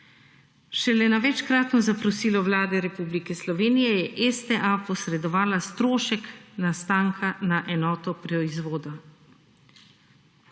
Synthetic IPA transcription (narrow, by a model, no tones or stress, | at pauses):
ʃɛlɛnaʋɛt͡ʃkɾaːt̪nɔzapɾɔsiːlɔʋlaːd̪ɛɾɛpublikɛslɔʋeːnijɛjɛʔɛst̪ɛʔapɔsɾɛd̪ɔʋaːlast̪ɾoːʃɛknast̪aːŋkʰanaʔɛnɔːt̪ɔpɾɔizʋoːd̪ɔ